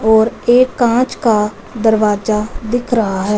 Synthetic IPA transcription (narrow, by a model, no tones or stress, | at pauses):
ɔːɾeːkːãːt͡ʃkaː | d̪əɾʋaːd͡ʒaːd̪ɪkʰɾəɦaɦɛː